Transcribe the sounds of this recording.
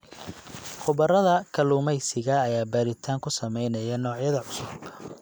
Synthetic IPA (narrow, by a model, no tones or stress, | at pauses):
qʊβɐrɐðɐkʰɐluːmɛjsɪɣɐːjaːbaːɾɪt̪ʰaːŋkʰʊsɐmɛjnɐjɐnɔːʕjɐðɐʕʊsʊb